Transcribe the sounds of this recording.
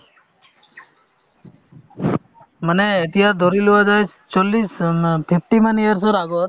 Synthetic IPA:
məneit̪iɦasd̪ʱɔɾiluad͡ʒaj | t͡ʃɔlːispʰepʈimanijəɾsɔɾaɡɔɾ

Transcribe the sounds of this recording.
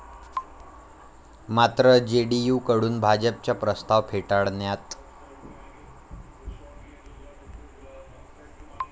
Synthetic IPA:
mat̪ɾəd͡ʑeɽijukəɽuːnbʱad͡ʑəp̚t͡ɕjapɾəst̪aʋpʰeʈaɭnjat̪

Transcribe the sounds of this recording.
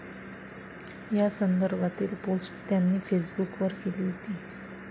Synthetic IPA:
jasənd̪əɾbʱat̪ilpolsʈt̪janːifʰesbukʋəɾkeliɦot̪i

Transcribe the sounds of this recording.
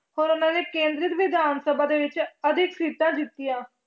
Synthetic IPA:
hoːɾʊnãːneːkẽːnd̪ɾɪt̪ʋɪd̪ʱaːnsəbaːd̪eːʋɪt͡ʃəd̪ʱɪksiːt̪ãːd͡ʒɪt̪ːijãː

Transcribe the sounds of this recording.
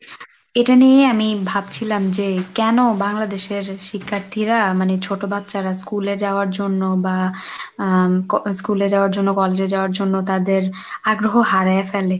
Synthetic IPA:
eʈanijeamibʱab̚t͡ɕʰilamd͡ʑekɛnobaŋlad̪eʃeɾʃikʰːaɾt̪ʰiɾamanet͡ɕʰoʈobat̪ːʃaɾaskuled͡ʑaoaɾd͡ʑonːoba | kskuled͡ʑaoaɾd͡ʑonːokɔled͡ʑed͡ʑaoaɾd͡ʑonːot̪ad̪eɾ | aɡɾoɦoɦaɾaefele

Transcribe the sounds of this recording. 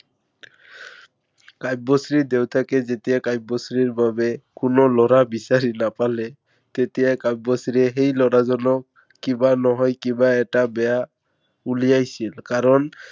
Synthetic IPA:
kajbːɔsɾid̪ewt̪ʰakɛzet̪ijakajb̚ːɔsɾiɾbabekʊnolɔɾabisaɾinapale | t̪et̪ijajkajbɔsiɾeɦejlɔɾazɔnɔk̚ː | ibanɔɦɔjkibaɛʈabɛja | ulijajsilkaɾɔn

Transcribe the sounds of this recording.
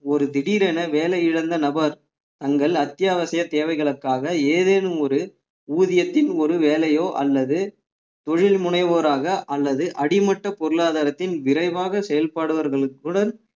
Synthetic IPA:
ɔɾɯd̪ɪɽiːɾɛnɐʋeːlɐjɪɻɐnd̪ɐnɐbɐɾ | t̪ɐŋɡɐɭɐt̪ːɪjaːʋɐsɐjɐt̪eːʋɐɪɣɐɭɯkːaːɣɐeːðeːnɯmɔɾɯ | uːðɪjɐt̪ːɪnɔɾɯʋeːlɐjoːʔɐ̰lːɐðɯ | t̪ɔɻɪlmʊɳɐɪʋoːɾaːɣɐʔɐlːɐðɯʔɐɽɪmɐʈːɐpɔɾɯɭaːðaːɾɐt̪ːɪnʋɪɾɐɪʋaːɣɐsɛjɐlpaːɽɯʋɐɾɣɐɭɯkːɯɽɐn

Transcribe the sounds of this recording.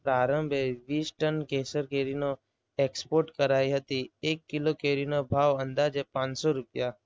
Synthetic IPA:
pɾaːɾə̃mbʱeʋiːsʈənkeːsəɾkeːɾino | eːkspoːɾʈkəɾaːiɦət̪ieːkːɪlokeːɾinobʱaːʋə̃nd̪aːd͡ʒɦɛpãːɲsɔɾʊpɪja

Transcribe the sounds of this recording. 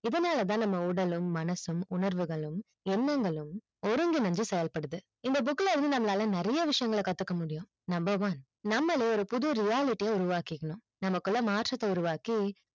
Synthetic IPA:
ɪðɐnaːlɐt̪̬ãːnɐmːɐʊɽɐlɯmːɐnɐsɯmʊɳɐɾʋɯɣɐɭɯm | ɛnːɐŋɡɐɭɯm | ɔɾɯŋɡinɐɲd͡ʒɯsɛjɐlpɐɽɯðɯ | ɪnd̪ɐbʊkːlɐɪɾɯnd̪ɯnɐmːɐlaːlɐ̃nɪɾɐjɐʋɪʂɐjɐŋɡɐɭɐkɐt̪ːɯkːɐmʊɽɪjʊ̃ | nɐmbɐʋaːn | nɐmːɐleːɔɾɯpʊðɯɾɪjaːlɪʈːijeʊɾʊʋaːkɪkːɐɳʊ̃ | nɐmɐkːɯlːɐmaːʈrɐt̪ːɐʊɾɯʋaːki

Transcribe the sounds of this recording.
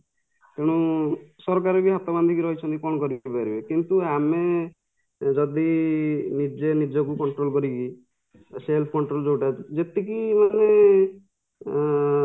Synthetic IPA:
keɽ̃ũsɔɾɔkaɾɔbiɦat̪ɔband̪ʱikiɾɔɦit͡ʃʰɔnt̪ikɔ̃ɔkɔɾibaɾibekint̪uame | d͡ʒɔd̪inid͡ʒenid͡ʒɔkukɔɳʈɾolkɔɾiki | selpʰkɔɳʈɾold͡ʒoʈad͡ʒet̪ikimane

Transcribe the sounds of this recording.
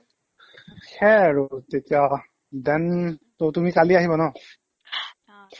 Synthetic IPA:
xɛɹotetija | dɛntotumikaliaɦibɔnɔ

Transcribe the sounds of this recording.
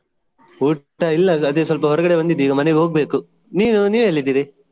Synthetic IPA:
uʈːɐilːɐːd̪esʋɐlp̬ɐɦɔɾɐɡɐɽebɐnd̪id̪iːɡɐmɐneɡiɦo̞ːɡbe̞ːku | niːnuniːʋeelːid̪iːɾi

